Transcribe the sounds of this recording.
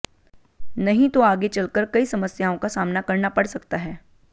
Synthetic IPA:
nɐɦĩt̪oaːɡet͡ʃɐlkəɾkɐisɐməsjaõkasaːmnakɐɾnapɐɽsɐkt̪aɦɛː

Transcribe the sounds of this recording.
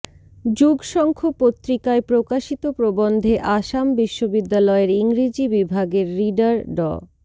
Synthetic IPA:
d͡ʑuɡʃɔŋkʰopot̪ːɾikaepɾokaʃit̪opɾobond̪ʱeʔaʃambiʃːobid̪ːalɔeɾiŋɾid͡ʑibibʱaɡeɾːiɖaɾɖɔ̰

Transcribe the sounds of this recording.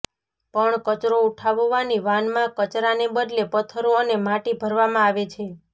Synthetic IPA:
pəɳkət͡ʃɾouʈʰaʋoʋaniʋanmãkət͡ʃɾanebəd̪lepət̪ʰəɾoənemaʈibʱəɾʋamãaʋet͡ʃʰe

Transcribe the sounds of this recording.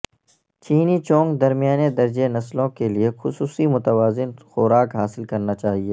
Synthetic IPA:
t͡ʃiːnit͡ʃɔ̃ːŋɡd̪ɐɾmijaːned̪ɐɾd͡ʒenɐslõkeliexʊsuːsimʊt̪əʋaːzɪnxʊːɾaːkɦaːsɪlkɐɾnat͡ʃaːɦieː

